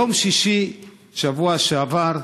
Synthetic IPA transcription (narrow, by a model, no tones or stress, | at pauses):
omʃiʃi | ʃavuaʃeavaɾ